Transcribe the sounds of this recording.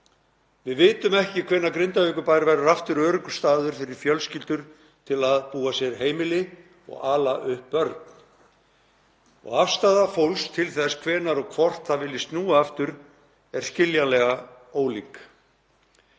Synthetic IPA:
vɪðvɪːt̪ʏmɛhcɪkʰv̥ɛːnːakɾɪnt̪ahœɥkʏpajɾvajɾʏɾaft̪ʏɾœːɾʏkʏ̥st̪aːðʏɾfɪɾɪɾ̥fjœlscɪlt̪ʏɾ̥ | t̪ʰɪlaðpuːasjɛɾɦeːjmɪlɪ | ɔ̰ɣaːlaʔʏhpːœɾt̪n | ɔ̰ɣafst̪aːðafowlst̪ʰɪlθɛsːkʰvɛːnaɾɔɣkʰvɔr̥t̪θavɪlːɪst̪nuːaaft̪ʏɾ | ɛɾ̥scɪljalɛɣa | oːwlik

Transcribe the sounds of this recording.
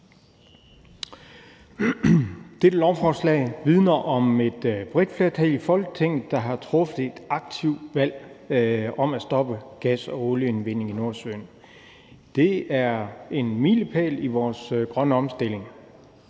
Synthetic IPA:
d̥e̝d̥lɒʊfɒːslɛ̰ːɪʋið̞ˠnɐʔɒ̽me̝d̥b̥ʁid̥fle̝ɐt͡sʰɛlifɒ̽lɡ̥ə̥t͡sʰe̝ŋ̰ð̩ˠd̥ɑ̈ɦɑ̈t͡sʰʁɔ̽fəð̩ˠe̝d̥ɑ̈ɡ̥̚t͡sʰiʊd̥ʋæl̰ | ɒ̽mæsd̥ɒ̽b̥əɡ̥æsɒ̽oləe̝nʋe̝n̰e̝ŋino̝ɐsø̰ːn | d̥e̝æɐe̝nmiləpʰɛ̰ːliʋɒːsɡ̥ʁɶnəɒ̽msd̥e̝le̝ŋ

